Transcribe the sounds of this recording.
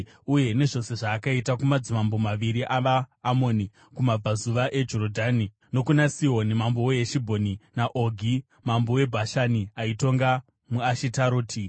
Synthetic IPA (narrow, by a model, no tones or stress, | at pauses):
uje̞ne̞ʐo̞se̞ʐaːkaitakumad͡zimambomaʋiɾiʔaʋaːmo̞ni | kumab͡vazuʋaʔe̞d͡ʒo̞ɾodʱani | no̞kunasiɦo̞nimambowoeʃibʱo̞ninaʔoɡʱi | mambowe̞bʱaʃaniaito̞ŋɡa | muaʃitaɾoːti